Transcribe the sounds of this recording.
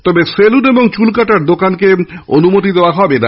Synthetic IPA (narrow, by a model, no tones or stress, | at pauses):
t̪ɔbeseluneboŋt͡ɕulkaʈaɾd̪okankeonumot̪id̪eoaɦɔbena